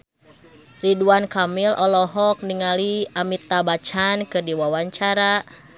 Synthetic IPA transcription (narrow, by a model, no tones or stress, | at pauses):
riduankamilʔɔlɔɦɔk̚niŋaliamit̪abat͡ʃankɨrdiwawaɲt͡ʃaɾa